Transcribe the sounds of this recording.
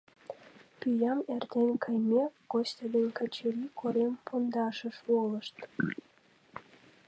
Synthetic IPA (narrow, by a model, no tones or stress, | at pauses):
pyjɑmert̪enʲkʰɑjmʲeɡ̥osʲt̪ʲɑd̪enʲkɑt͡ɕeɾikʰoɾempʰond̪ɑʃəʃwoləʃt̪